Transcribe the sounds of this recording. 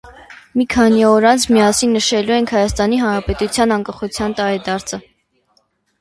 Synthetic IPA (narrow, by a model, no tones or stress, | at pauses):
mikʰɑniɔɾɑnt͡sʰmiɑsinːəʃɛluɛŋkʰhɑjɑst̪ɑniɦɑnɾɑpɛt̪ut͡sʰjɑnɑŋkɑχut͡sʰjɑnt̪ɑɾɛd̪ɑɾt͡sʰə